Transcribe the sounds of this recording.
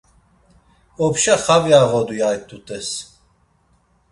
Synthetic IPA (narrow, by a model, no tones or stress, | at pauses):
ɔpʃaχavjaʁɔd̪ujajt̪ʼut̪ʼɛs